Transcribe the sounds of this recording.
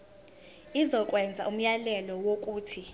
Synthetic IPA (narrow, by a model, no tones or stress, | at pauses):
izɔk̬ʼwɛnd͡zʱaʔum̩jalɛlɔwok̬ʼuːtʰi